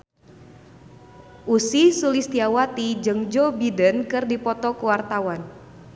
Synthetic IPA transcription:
ʔusisulist̪iawat̪id͡ʒɨŋd͡ʒobidənkɨrdipɔt̪ɔkuwart̪awan

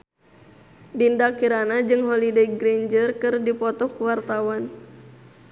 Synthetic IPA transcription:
dindakiɾanad͡ʒɨŋɦɔlideɡɾend͡ʒərkɨrdipɔt̪ɔkuwart̪awan

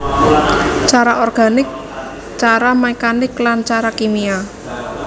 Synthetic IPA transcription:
t͡ʃaɾaʔɔrɡ̥a̤nɪk̚ | t͡ʃaɾamɛkanɪklant͡ʃaɾakimia

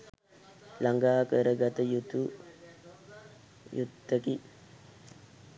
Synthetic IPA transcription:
laŋɡaːkəɾəɡat̪əjut̪u | jut̪ːəki

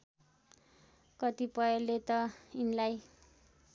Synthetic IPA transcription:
kʌt̪ipʌelːet̪ʌinlaj

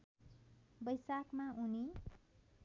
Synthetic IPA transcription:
bʌjsakmaʔuni

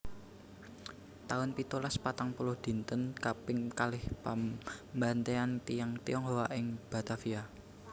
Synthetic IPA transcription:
t̪aʊnpit̪ulaspat̪aŋpulʊhd̪̥i̤nt̪ənkapɪŋkalɪhpambant̪eant̪ijaŋt̪iɔŋɦowaʔɪŋb̥a̤t̪afia

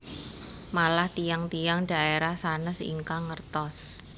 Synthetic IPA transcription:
malaht̪ijaŋt̪ijaŋɖ̥a̤eɾahsanəsḭŋkaŋərt̪ɔs

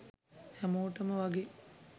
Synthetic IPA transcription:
hæmoːʈəməʋaɡe

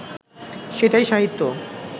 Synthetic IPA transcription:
ʃeʈajʃaɦit̪ːo

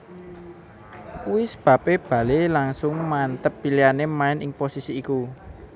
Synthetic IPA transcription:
wɪsb̥ä̤peb̥ä̤lelaŋsʊŋmant̪əpːilianemaɪnɪŋposisiːku

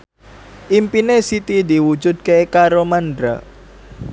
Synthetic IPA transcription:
ʔimpinesit̪id̪iwud͡ʒʊd̪̚kekaɾomandɾa̰

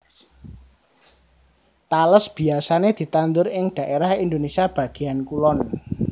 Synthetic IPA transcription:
t̪aləsb̥i̤asaned̪̥i̤t̪and̪ʊɾɪŋɖ̥a̤ʔeɾahind̪onesiab̥ä̤ɡ̥i̤ankulɔn

